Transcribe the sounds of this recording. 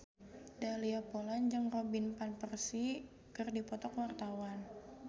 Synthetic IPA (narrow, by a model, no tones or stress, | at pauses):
daliapoland͡ʒɨŋrobinpanpərsi | kɨrdipɔt̪ɔkwart̪awan